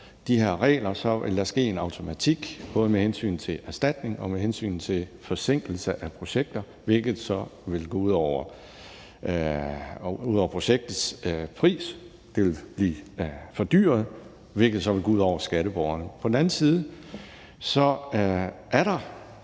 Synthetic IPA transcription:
d̥ihe̝ɐ̰ʁɛ̰ːlɐsɒ̽elːæsɡ̥e̝̰ːe̝nɑ̈ʊt͡sʰo̝mæt͡sʰiɡ̥b̥ɔ̽ːð̞ˠəmehensy̰ːnt͡sʰe̝æɐsd̥æd̥ne̝ŋɒ̽mehensy̰ːnt͡sʰe̝fɒ̽se̝ŋ̰ɡ̥l̩səʔæpʰʁo̝ɕeɡ̥̚d̥ɐ | ʋe̝lɡ̥ð̩ˠsɒ̽ʋe̝lɡ̥ɔ̰ːuð̰ˠɒʊ̰ɐ | uðˠɒʊɐpʰʁo̝ɕeɡ̥̚d̥ð̩ˠspʰʁḭːs | d̥e̝ʋe̝lb̥liːfɒ̽d̥y̰ːɐðˠ | ʋelɡ̥ð̩ˠsɒ̽ʋe̝lɡ̥oːuð̰ˠɒ̰ʊɐsɡ̥æɾəb̥ɒʊɐnəpʰɒ̽dn̩æn̩siːð̞ˠə | sɒ̽ | ʔæɐɾɑ̈

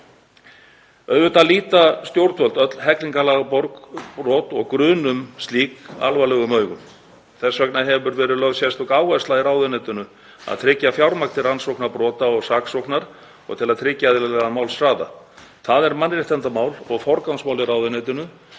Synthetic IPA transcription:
œɥvʏt̪aliːt̪ast̪jowɾt̪vœlt̪œt̪l̥hɛkliŋkalaːɣapɔɾkpɾɔːt̪ɔɣkɾʏːnʏmst̪liːka̰lvalɛːɣʏmœːɥɣʏm | θɛsvœknaɦɛvʏɾvɛːɾɪðlœvsjɛst̪ɔɣaːwaslaðɪɾaːwðʏnɛt̪ʏnʏ | a̰ðt̪ʰɾɪcːafjawɾmakt̪ʰɪɾansɔwknaɾpɾɔːt̪aɔɣsaksɔwknaɾ | ɔ̰ɣt̪ʰɪlaðt̪ʰɾɪcːaðɪlɛɣamaːwlsɾaːða̰ | θaðɛɾmanːrɪht̪ant̪amaːwlɔɣfɔɾkawnsmawlɪɾaːwðʏnet̪ʏnʏ

